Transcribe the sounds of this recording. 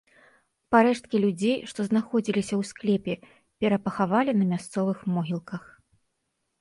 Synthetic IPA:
paɾɛʂt̪̚kʲilʲud͡zʲejʂt̪ɔznaxɔd͡zʲilʲisʲɐwsklʲɛpʲɛ | pʲɛɾɐpɐxavalʲinɐmʲast̪sɔvɨxmɔɦʲilˠkɐx

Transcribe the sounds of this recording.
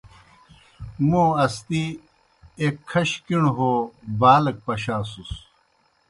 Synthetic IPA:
moːɐst̪i | ekʰːɐɕkiɳɦobaːlɐk̚pɐɕaːsus

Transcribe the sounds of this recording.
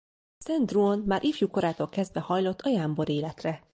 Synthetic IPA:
sɛnd̪ruonmaːɾʔiːfjuko̞ɾaːt̪o̞lkɛzd̪vɛhɒjlo̞t̪ʰːɒjaːmbo̞ɾeːlɛt̪rɛ

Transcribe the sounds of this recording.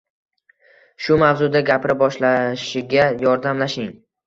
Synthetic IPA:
ʃʊmavzʊd̪aɡʲapʰɪɾɪbɒʃlaʃɪɡʲajɒɾd̪amlaʃɪŋ

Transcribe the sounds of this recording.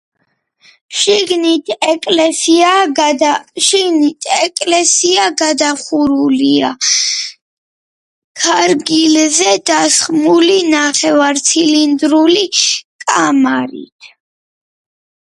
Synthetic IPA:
ʃiɡnit̪ʰɛkʼlɛsia | ʃiɡnit̪ʰɛkʼlɛsiaɡad̪aχuɾulia̰ | kʰaɾɡilzɛd̪̥asχmulinaχɛvaɾt̪sʰilind̪ɾulikʼamaɾḭt̪ʰ

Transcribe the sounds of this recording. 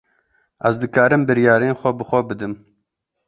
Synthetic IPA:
ʔɛzd̪ɨkɑːɾɨmbɨɾjɑːɾeːnxʷɛbɨxʷɛbɨd̪ɨm

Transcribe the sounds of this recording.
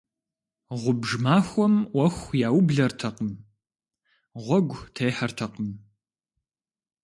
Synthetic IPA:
ʁʷʊbʒmaːxʷɔmwɐxʷjaːwʊbɮɐrtʰɐqəm | ʁʷɔɡʷtʰejħɐrtʰɐqəm

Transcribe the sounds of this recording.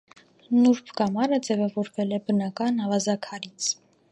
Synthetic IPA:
nuɾpʰɡɑmɑɾəd͡zɛvɑvɔɾvɛlɛbənɑkɑnɑvɑzɑkʰɑɾit͡sʰ

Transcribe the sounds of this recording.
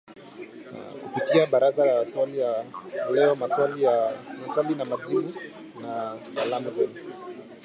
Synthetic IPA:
kupitiaɓaɾazalaswalijalɛɔmaswalijamɛtalinamaʄiɓu | nasalamuzɛnu

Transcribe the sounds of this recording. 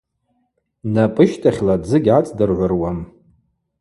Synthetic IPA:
napʼɨʃtʰʼaχʲladd͡zɨɡʲʕat͡sʼdɨrʕʷʊrwam

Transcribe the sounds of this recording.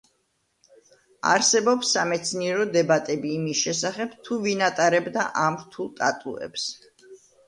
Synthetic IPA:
a̰ɾsɛbɔpsːamɛt̪sʰniɛɾɔd̪ɛbat̪ʼɛbiːmisʃɛsaχɛb̥̚t̪ʰuvinat̪ʼaɾɛbd̪aʔamɾt̪ʰulˠt̪ʼa̰t̪ʼṵɛ̰ps

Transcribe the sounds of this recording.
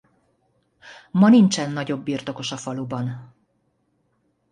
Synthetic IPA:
mɒnint͡ʃɛnːɒɟo̞bːirt̪o̞ko̞ʃɒfɒlubɒn

